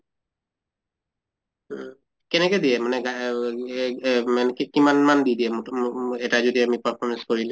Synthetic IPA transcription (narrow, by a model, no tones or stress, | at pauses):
kɛnɛkɛd̪ijɛmanɛɡa | manɛkɛkimanmand̪id̪iɛmoɛtazod̪iamipaɹpʰɔmɛnskoɹilɛ